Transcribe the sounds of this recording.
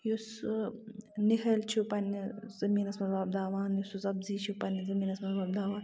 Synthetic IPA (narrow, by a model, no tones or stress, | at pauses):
jus | niɦʰɐlt͡ʃʰupɐniz̥ɐmiːnɐsmɐzbab̚d̪aːʋaːnjusuzɐbziːt͡ʃʰupɐnizɐmiːnɐsmɐzbɐːbd̪aːʋaːn